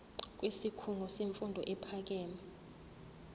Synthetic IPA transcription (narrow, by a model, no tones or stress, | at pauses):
k̬ʼwisikʰuŋɔseɱfundʱɔʔɛpʰak̬ɛːma